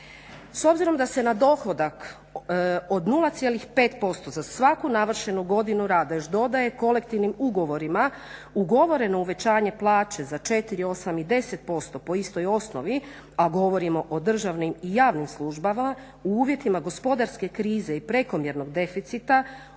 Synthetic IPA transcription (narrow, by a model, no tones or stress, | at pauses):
so̞bziɾo̞md̪ase̞nad̪o̞xo̞d̪ak | od̪nulˠat̪sjelixpe̞ːt̪po̞st̪o̞zasʋakunaʋr̩ʃe̞nuɡo̞d̪inuɾaːd̪ajot͡ʃd̪o̞d̪aje̞ko̞le̞kt̪iʋnimuɡo̞ʋo̞ɾima | uɡo̞ʋo̞ɾe̞no̞uʋe̞t͡ɕaːɲe̞plˠaːt͡ʃe̞zat͡ʃe̞t̪iɾio̞samid̪e̞se̞t̪̚po̞st̪o̞po̞ist̪o̞jo̞snoʋi | aɡo̞ʋo̞ɾimoʔod̪r̩ʒaʋnimijaːʋnimslˠuʒbama | uuːʋje̞t̪imaɡo̞spo̞d̪aɾske̞kɾiːze̞ipɾe̞ko̞mje̞ɾno̞ɡd̪e̞fit̪sit̪a